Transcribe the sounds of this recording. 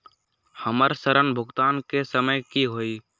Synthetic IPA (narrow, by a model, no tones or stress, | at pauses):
həməɾsəɾənbʱʊɡt̪aːnkesəməjkiɦoːiː